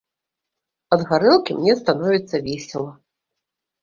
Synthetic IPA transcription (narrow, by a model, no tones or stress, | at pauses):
ɐd̪ɣaɾɛlˠkʲimnʲɛst̪anɔvʲit̪sːɐvʲɛsʲɛlˠɐ